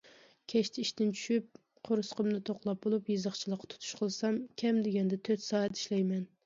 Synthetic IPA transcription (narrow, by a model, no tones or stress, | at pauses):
kʲʰɛʃt̪ʰɪiʃt̪ɪnt͡ʃʰy̥ʃyp̚ | qʰoɾɨsqəmnɨt̪ʰoqlˠɑp̚bolˠupjɨzəχt͡ʃʰilˠəqːɑ̥t̪ʰu̥t̪ʰu̥ʃqʰəlˠsɑmkʲʰɛmd̪ɪɡʲɛnd̪ɛt̪ʰøt̪sɑːɛt̪ʰi̥ʃlɛjmɛn